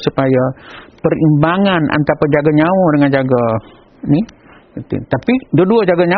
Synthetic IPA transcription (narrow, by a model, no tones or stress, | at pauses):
supajapərimbaŋanʔa̰nt̪apad͡ʒaɡaɲawɔdəŋand͡ʒaɡa | ni | t̪ḭt̪apidoduad͡ʒaɡaɲa